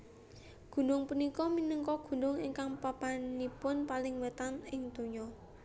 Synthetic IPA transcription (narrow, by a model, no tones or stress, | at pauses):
ɡ̥ṳnʊŋpunikɔminəŋkɔɡ̥ṳnʊŋiŋkaŋpapanipʊnpalɪŋwət̪anɪŋt̪uɲɔ